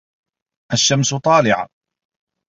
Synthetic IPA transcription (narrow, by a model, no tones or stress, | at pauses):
ʔaʃːamsʊt̪ˤɑːlɪʕa̰